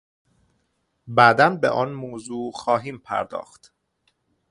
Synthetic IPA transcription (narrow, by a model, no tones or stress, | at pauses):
bæd̪ænbḛʔɒːnmoːzuːxɒːɦiːmpʰæ̰ɾd̪ɒ̰ːxt̪